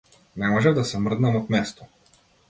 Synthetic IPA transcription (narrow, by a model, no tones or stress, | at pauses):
nɛmɔʒɛvd̪asɛmr̩d̪namɔt̪mɛst̪ɔ